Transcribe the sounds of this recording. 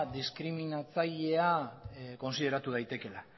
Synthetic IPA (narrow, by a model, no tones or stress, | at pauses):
d̪iskɾiminat͡saʎe̞ako̞nsið̞e̞ɾat̪uðajt̪e̞ke̞la